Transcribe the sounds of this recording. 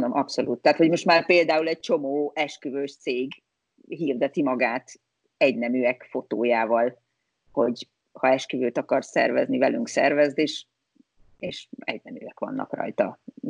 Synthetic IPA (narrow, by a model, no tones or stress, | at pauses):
nomʔɒpso̞lʔuːt̪ːɛaːt̪ho̞ɟmo̞ʃt̪maːrpeːld̪aːulɛɟ̚t͡ʃo̞moːɛʃkyvøːʃt̪seːɡ | ɦiːrd̪ɛt̪imɒɡaːt̪ | ɛɟnɛmyːɛkfo̞t̪oːjaːvɒl | ho̞ɟ | hɒɛʃkyvøːt̪ɒkɒrsɛ̰rvɛ̰znivɛlyŋksɛ̰rvɛzd̪eːʃ | eːʃɛ̰ɟnɛmyːɛkʋɒ̰nːɒ̰krɒ̰jt̪ɒ